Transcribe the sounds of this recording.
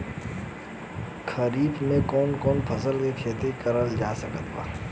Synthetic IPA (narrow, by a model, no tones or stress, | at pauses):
kʰɐɾiːbmẽkɔːnkɔːnpʰɐsəlkekʰeːt̪ekɐɾəld͡ʒaːsəkət̪baː